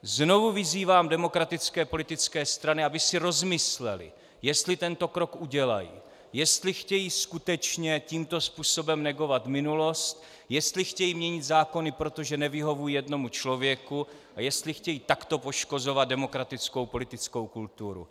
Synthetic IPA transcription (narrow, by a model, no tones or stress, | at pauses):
zno̞vuvɪziːvaːmdɛmo̞kɾat̪ɪt͡skɛːpo̞lɪt̪ɪt͡skɛːst̪ɾanɪabɪsɪɾo̞zmɪslɛ̰lɪ̰ | jɛst̪lɪt̪ɛnt̪o̞kɾo̞kʔuɟɛla̰jḭ | jɛst̪lɪxcɛjiːskut̪ɛt͡ʃɲɛciːmt̪o̞spuːso̞bɛmnɛɡo̞vat̪mɪnulo̞st̪ | jɛst̪lɪxcɛjimɲɛɲɪt̪zaːko̞nɪpɾo̞t̪o̞ʒɛnɛvɪɦo̞vujijɛdno̞mut͡ʃlo̞vjɛku | ʔajɛst̪lɪxcɛjiːt̪akt̪o̞po̞ʃko̞zo̞vad̪̚dɛmo̞kɾat̪ɪt͡sko̞wpo̞lɪt̪ɪt͡sko̞wkult̪uɾṵ